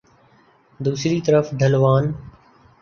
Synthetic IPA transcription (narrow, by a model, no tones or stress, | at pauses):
d̪uːsɾiːt̪əɾəfd̪ʱəlʋaːn